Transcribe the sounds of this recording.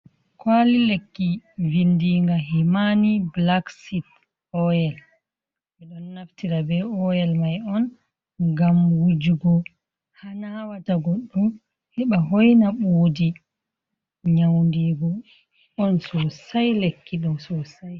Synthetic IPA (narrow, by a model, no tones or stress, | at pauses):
kwalilekːivindiŋɡaɦimaniblaksit | ɔjɛl | mɛɗɔnːaftiɾabɛɔjɛlmajɔn | ɡamwud͡ʒuɡɔ | hanawataɡɔɗːum | hiɓaɦɔjnaɓodi | ɲawndiːɡɔ | ɔnsɔsajlekːiɗɔnsɔsaj